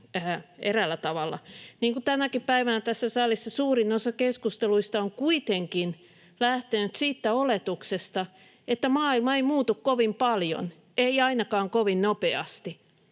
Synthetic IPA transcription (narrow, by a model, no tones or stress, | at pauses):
æːerælːˑæt̪ɑʋɑlːˑɑ̰niːŋkut̪ænækippæiʋænæt̪æsːæsɑlisːɑsuːrinosɑkeskust̪eluist̪ɑoŋkuit̪eŋkin | læht̪enyt̪siːt̪ːæolet̪uksest̪ɑ | et̪ːæmɑːilmɑeimuːt̪ukkoʋimpɑljo̰n | ʔeiɑinɑkɑːŋkoʋinnopeɑ̰st̪i